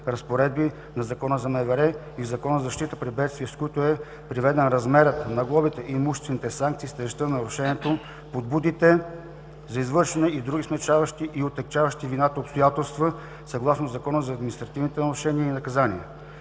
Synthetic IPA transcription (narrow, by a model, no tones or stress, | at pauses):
ɾɐspoɾɛd̪̚bi | nɐzɐkɔnəzɐmɛvɛɾɛ | izɐkɔnəzɐʃt̪it̪əpɾibɛt̪st̪viəskoit̪ʊɛ | pɾivɛd̪ɛnɾɐzmɛɾət̪nɐɡlˠɔbit̪ɛʔimuʃɛst̪vɛnit̪ɛsaŋkt̪siːst̪ɛʒt̪ənɐɾʊʃɛniɛt̪o | pod̪̚bud̪it̪ɛ | zɐizvɤɾʃɛnɛʔid̪ɾuɡismɛt͡ʃavɐʃt̪iʔiot̪ɛk̚t͡ʃavɐʃt̪ivinat̪əopst̪ojat̪ɛlˠst̪və | sɐɡlˠasnozɐkɔnəzɐːd̪minist̪ɾɐt̪ivnit̪ɛnɐɾʊʃɛniəinɐkɐzaniə